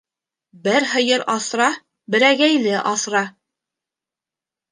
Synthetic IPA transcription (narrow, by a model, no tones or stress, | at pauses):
bɘɾɦɤ̆jɤɾʔɑθɾɑ | bɘ̆ɾæɡæjlɘʔɑsɾɑ